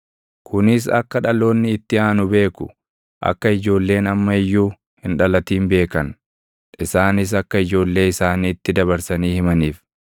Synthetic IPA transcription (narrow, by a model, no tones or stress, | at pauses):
kʰʊnɪs̬ɐ̰kːɐᶑɐlo̞ːnːɪːt̪ːɪaːnʊbe̞ːkʊ̰ | ʔɐ̰kːɐɪd͡ʒo̞ːlːe̞ːnɐmːɐɪjːuː | hɪnᶑɐlɐt̪iːmbe̞ːkɐn | ʔɪsaːnɪs̬ɐkːɐɪd͡ʒo̞ːlːe̞ːɪsaːniːɪt̪ːɪd̪ɐβɐɾsɐniːhɪmɐniːf